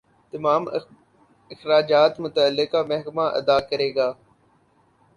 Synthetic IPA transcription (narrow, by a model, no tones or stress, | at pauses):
t̪əmaːm | ɪxɾaːd͡ʒaːt̪mʊt̪əəlːɪkamɛɦkmaʔə̰d̪aːkəɾeːɡaː